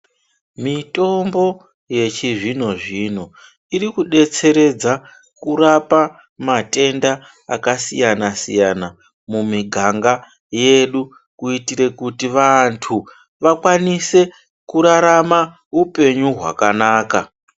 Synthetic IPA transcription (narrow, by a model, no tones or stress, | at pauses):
mito̞mbo̞ | je̞t͡ʃiʐino̞ʐino̞ | iɾikuɗe̞t͡se̞ɾe̞d͡za | kuɾapa | mate̞nda̰ː | kasijanasḭjana | mumiɡʱaŋɡa | je̞ɗu | kuitiɾe̞kutiʋantʰu | ʋakwanise̞ | kuɾaɾama | upe̞ɲuɦwa̰kanaːka